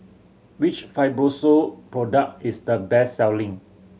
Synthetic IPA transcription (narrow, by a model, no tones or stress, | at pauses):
wit͡ʃfaɪbɹosopɹɔdək̚tisdəbɛsːɛwlĩŋ